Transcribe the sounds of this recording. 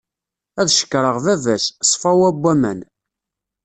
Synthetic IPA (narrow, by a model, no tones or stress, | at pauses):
æðʃə̥kːɾˤəʁðævæssˤfæwæbʷːæmæ̰n